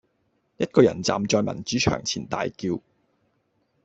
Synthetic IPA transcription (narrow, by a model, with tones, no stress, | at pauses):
jɐ˥t̚kɔː˧jɐ̰˨˩nt͡sa̰ː˨mt͡sɔː˧jmɐ̰˨˩nt͡ʃyː˨˥t͡ʃʰœ̰ː˨˩ŋt͡sʰḭː˨˩nt̪a̰ː˨jkiː˧w